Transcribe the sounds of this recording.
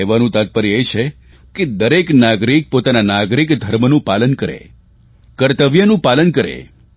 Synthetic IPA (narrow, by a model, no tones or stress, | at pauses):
eʋanũt̪at̪̚pəɾiejt͡ʃʰe | ked̪əɾeknaɡɾik̚pot̪ananaɡɾikd̪ʱəɾmənũpalənkəɾḛ | kəɾt̪əʋjənũpalənkəɾḛ